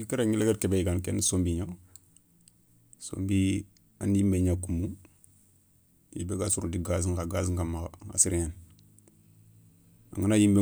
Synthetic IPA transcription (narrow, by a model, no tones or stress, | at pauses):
kiɾaɲileɡeɾkebeiɡankḛnasombiɲa | so̰mbi | a̰nimbeɲakumu | ḭbeɡasuɾundiɡaziŋkaɡas̬iŋkamaa̰siɾiɲan | a̰ŋanajimbe